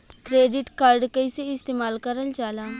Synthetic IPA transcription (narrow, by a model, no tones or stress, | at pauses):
kɾeːɖɪʈkaɾɖkəiseɪst̪eːmaːlkəɾəlt͡ʃaːlaː